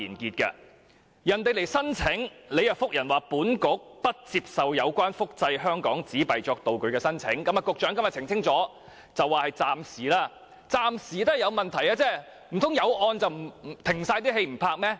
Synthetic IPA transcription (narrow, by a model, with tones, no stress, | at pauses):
iː˨˩nkiː˧t̚kɐ̰˧ | jɐ˨˩nt̪e˨jle˨˩jsɐ˥nt͡sʰɪ˨˥ŋle˨˧jɐ˨˧fʊ˥k̚jɐ˨˩nwaː˨puː˨˥nkʊ˨˥k̚pɐ˥t̚t͡siː˧p̚sɐ˨wjɐ˨˧wkʷwaː˥nfʊ˥k̚t͡sɐ˧jɦœː˥ŋkɔː˨˥ŋt͡siː˨˥pɐ˨jt͡ʃɔː˧k̚t̪o˨wkɵ˨˧ɥkɛː˧sɐ˥nt͡sʰɪ˨˥ŋkɐ˨˥maː˨˧kʊ˨˧k̚t͡ʃœː˨˥ŋkɐ˧mjɐ˨t̚t͡sʰɪ˨˩ŋt͡sʰɪ˥ŋt͡sɔː˨˥ | t͡sɐ˨wːaː˨˩hɐ˨jt͡saː˧msiː˨˩laː˧ | t͡saː˨˧msiː˨˩t̪ɐ˥˨jɐ˨˧wmɐ˨nt̪ʰɐ˨˩jaː˧t͡sɛː˥ | m̩˨˩t̪ʰʊ˨˥ŋjɐ˨˧wʔɔː˧nt͡sɐ˨wm̩˨˩˨t̪ʰɪ˨˩ŋsaː˧jt̪̬iː˥ɦe˧jm̩˨˩pʰaː˧k̚mɛː˥